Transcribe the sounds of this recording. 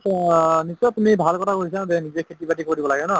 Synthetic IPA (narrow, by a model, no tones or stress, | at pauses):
nisɔtumibʱalkɔtʰakoɹis̬ãzɛnizɛkʰetibatikoɹdibɔlaɡɛnɔ